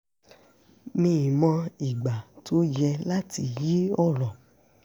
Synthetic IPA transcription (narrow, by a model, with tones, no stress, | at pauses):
nĩ˦˨i˨mɔ̃˧i˨ɡ͡ba˨tʰo˦jɛ˧la˦ti˧ji˦ɔ˦˨lɔ̃˨